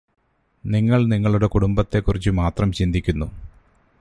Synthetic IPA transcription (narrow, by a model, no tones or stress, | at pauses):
niŋːɐɭniŋːɐɭuɽe̞kuɽumbɐt̪ːe̞kːurit͡ɕːɨmaːt̪rɐmt͡ɕind̪ʱikʲːunːu